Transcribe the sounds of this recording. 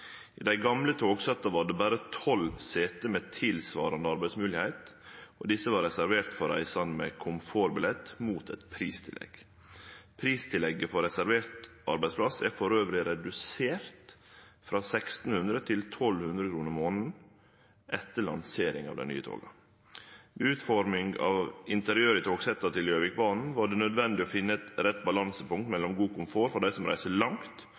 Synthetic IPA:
ɪd̪æɪɡɑmlət̪ʰoːɡsɑt̪ːɑʋɑɖɛbæːɾət̪ʰɔlseːt̪əmeːt̪ʰɪlsʋɑ̰ːɾɑnd̪əɑɾbæɪd̪smʉːlɪhæɪt̪ʔɔd̪ɪsːəʋɑːɾɛsæɾʋeːɾt̪fɔɾæ̰ɪsɑnmḛkʰʊmfoːɾbɪlɛt̪muːt̪ʰɛt̪pʰɾiːst̪ʰɪlɛ̰ɡ̥ | pʰɾiːst̪ʰɪlɛɡːəfɔɾɛsæɾʋeːɾt̪ | ɑ̰ɾbæɪspʰlɑsæɾfɔɾøːʋɾɪɾɛd̪ʉseːɾt̪fɾɑːsɛkst̪n̩hʉnd̪ɾət̪ʰɪlt̪ʰɔlhʉnd̪ɾəkʰɾuːnəɾmoːnn̩ | ʔɛt̪ːəɭɑ̰nseːɾɪ̰ŋɑ̰ʋd̪ɛ̰ny̰ːət̪ʰo̰ːɡɑ̰ | ʋɛʉːt̪fɔɾmɪŋɡɑ̰ʋɪnt̪əɾɪøːɾɪt̪ʰoːɡsɛt̪ːɑt̪ʰɪljøːʋɪk̚bɑːnn̩ʋɑːɖɛnœd̪ʋɛnd̪ɪɔfɪnːəɛt̪ɾɛt̪ːbɑlɑnsəpʊŋk̚t̪mɛlːɔmɡuːkʊmfoːɾfɔɖæɪsɔmɾæ̰ɪsəlɑŋt̪

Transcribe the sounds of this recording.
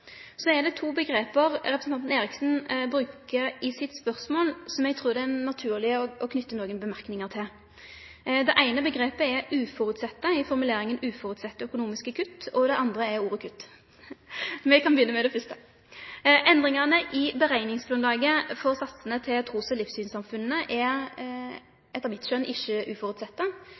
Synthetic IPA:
sɔɛd̪ɛt̪ʰuːbəɡʁeːpəʁʁɛpɾəsn̩ɑnt̪n̩eːɾɪksn̩bɾʉːkəʁɪsɪt̪spœʁsmoːlsɔmɛɡt̪ʰʁuːʁd̪ɛɛnɑt̪ʰʉːʁlɪəɔɔkʰnʏt̪ːənoːɡənbəmæʁknɪŋəʁt̪ʰɪl | d̪ɛʔæɪnəbəɡʁeːpəɛɾʉːfɔʁʉt̪sɛt̪ːəɪfɔʁmʉleːɾɪŋənʉːfɔʁʉt̪sɛt̪ːəœkʊnuːmɪskəkʰʉt̪ːɔd̪ɛʔɑnd̪ʁəɛɾuːʁəkʰʉt̪ː | mɛkʰɑnbəjʏnːəmɛd̪ɛfʏst̪ə | ʔɛnd̪ʁɪŋɑʁnəʔɪbəʁæɪnɪŋsblʊnlɑːɡəfɔʁsɑt̪sənət̪ʰɪlt̪ʰʁuːsɔlɪfsyːnsɑmfʉnːəʔɛɾ | ʔɛt̪ːəʁmɪt̪ʃœnɪʃːəʔʉːfɔʁʉt̪sɛt̪ːə

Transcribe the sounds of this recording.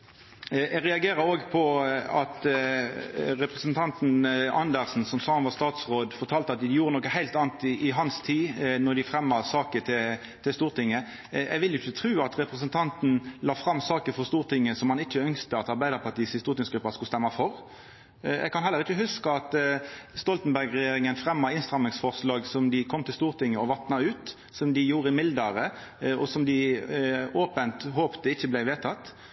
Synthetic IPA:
ɛɡʁɛɑɡeːɾəɾoːɡpʰɔɑt̪ | ɾɛpɾɛsənt̪ʰɑnt̪nɑ̰nd̪əʁsn̩sɔmsɑːhɑnʋɑst̪ɑːt̪sʁoːd̪fɔɾʈ̪ʰɑːlt̪əɑt̪ɪjuːɾənɔkəhæɪlt̪ɑːn̩t̪ɪʔɪɦɑnst̪ʰiːnɔd̪ɪfɾɛmːəsɑːkət̪ʰɪl | t̪ʰɪst̪uːɾt̪ʰɪŋːə | ɛɡʋɪlɪçːət̪ʰɾʉːɑt̪ʁɛpɾɛsənt̪ʰɑnt̪n̩lɑːfɾɑmːsɑːkəɾfɔʁst̪uːʁt̪ʰɪŋːəsɔmhɑnɪçːəœŋst̪əɑt̪ɑɾbæɪd̪əɾpʰɑt̪iːshɪst̪uːɾt̪ɪŋsɡɾʉpːɑskʉlst̪ɛmːɑfɔɾ | ɛ̰ɡ̚kʰɑnhɛlːəɾɪçəɦʉskəɑt̪st̪ɔlt̪n̩bæɾɡʁɛjeːɾɪŋənfʁɛmːɑɪnst̪ʁɑmɪŋsfɔʁslɑːɡsɔmd̪ɪkʰɔmːt̪ʰɪlst̪uːɾt̪ɪŋːəɔʋɑt̪nɑʉːt̪ | sɔmd̪ɪjuːɾəmɪld̪əɾəɔ̰sɔmd̪ɪ | oːpənt̪ɦoːpt̪əɪçːəblæɪʋeːt̪ʰɑt̪ː

